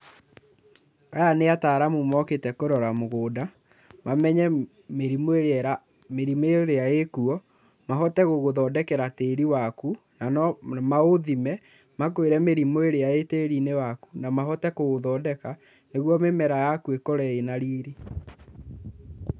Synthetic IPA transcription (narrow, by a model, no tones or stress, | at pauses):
ajaneataːɾamumɔketɛkoɾɔɾamoɣoːda | mamɛɲɛ | meɾimoeɾɛɾa | meɾimeɾeaekuɔ | maɦɔtɛɣoɣoðɔːdɛkɛɾateːɾiwaku | nanɔmaoðimɛ | mak̬oeɾɛmeɾimoeɾeaeteːɾinewakunamaɦɔtɛkoɣoðɔdɛka | neɣwɔmemɛɾajakuekɔɾɛenaɾiːɾe